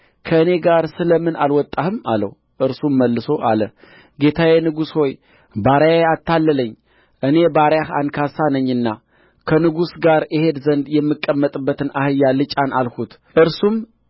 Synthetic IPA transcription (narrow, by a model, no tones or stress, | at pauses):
kʰəɨne̞ɡaɾsɨləmɨnʔalwɔt̪ʼːahɨma̰lə̰h | ʔɨɾsumːəlːɨso̞ʔalə | ɡe̞t̪ʰawenɨɡusho̞j | baɾjaeat̪ːalːələɲː | ʔɨne̞baɾjaha̰nkʰasanəɲːɨnːa | kʰənɨɡusɡaɾjɪhe̞d̪zənd̪jɛmːɨkʼːəmːət̪ʼɨbːət̪ʰɨnʔahɨjːalɨt͡ʃʼanalhut̪ | ʔɨɾsum